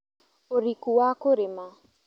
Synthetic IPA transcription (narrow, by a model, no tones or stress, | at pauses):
oɾikuwakoɾema